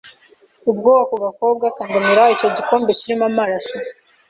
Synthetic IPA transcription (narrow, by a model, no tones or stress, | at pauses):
ub̚ɡoːwakuβako̞b̚ɡakaːndamiɾaico̞ɟiko̞ːmbeciɾimamaɾaso